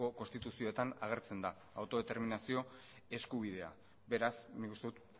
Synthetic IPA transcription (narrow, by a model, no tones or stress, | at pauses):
o̞ko̞nst̪it̪usio̞et̪anaɣ̞e̞ɾt͡se̞nd̪aːwt̪o̞ð̞e̞t̪e̞ɾminasio̞ | e̞skuβ̞iðe̞a̰ | be̞ɾasnikust̪e̞ut̪